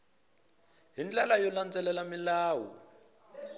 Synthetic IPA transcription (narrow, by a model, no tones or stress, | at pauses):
ɦind͡ɮalajɔland͡zɛlɛlamilaːwɔ̰